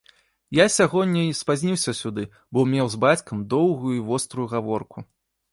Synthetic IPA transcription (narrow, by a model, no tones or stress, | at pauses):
jasʲaɣɔdʲːɐjspazʲnʲiwsʲɐsʲud̪ɨ | bɔmʲɛwzbat͡sʲkɐmd̪ɔwɣujuivɔst̪ɾujuɣavɔrku